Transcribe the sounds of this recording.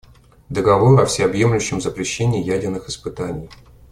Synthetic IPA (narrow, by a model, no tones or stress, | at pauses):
d̪əɡɐvoɾɐfsʲeɐbje̞mlʲʊɕːɪmzəpɾʲɪɕːenʲɪːjædʲɪrnɨxɨspɨt̪anʲɪ̰j